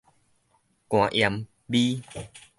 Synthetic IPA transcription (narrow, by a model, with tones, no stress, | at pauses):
kw̃ã˨˧ʔja˧m | bi˦